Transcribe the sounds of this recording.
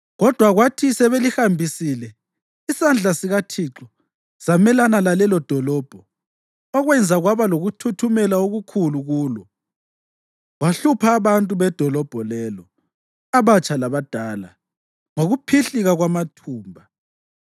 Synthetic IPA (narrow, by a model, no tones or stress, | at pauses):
ɣɔd̥ʱwaɣwatʰisɛβelixambʱisilɛ | isand͡ɮʱasiɣatʰiǁɔ | z̥amɛlanalalɛlɔd̥ʱɔlɔːb̥ʱɔ | ɔɣwɛnd͡zʱaɣwaβaloɣutʰutʰumɛlaoɣukʰuluɣuːlɔ | waɬupʰaːβantʼuβɛd̥ʱɔlɔb̥ʱɔlɛlɔ | aβat͡ʃʼalaβad̥ʱaːla̰ | ŋoɣupʰiɬiɣaɣwamatʰuːmbʱa